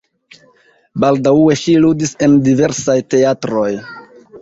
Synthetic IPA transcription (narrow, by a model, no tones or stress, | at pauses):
baldawe̞ʃiludise̞ndive̞ɾsajte̞atɾo̞j